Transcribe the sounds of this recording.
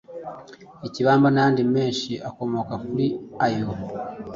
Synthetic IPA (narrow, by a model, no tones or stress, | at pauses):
eciβaːmbanaaːndime̞ːnʃiʔako̞mo̞ːkakuɾiajo